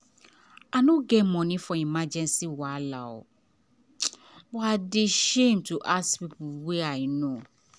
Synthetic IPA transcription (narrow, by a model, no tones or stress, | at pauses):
anʊ̃ɡɛmɔ̃nĩfɔ̃imad͡ʒɛ̃nsiwɔala̰ɔ̰ | wadɪʃẽmtʰuʔaspipʰʊlwɛajnõ